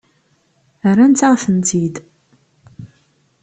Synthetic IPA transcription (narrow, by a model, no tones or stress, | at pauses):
ərːænt̪aʁθənt̪id̪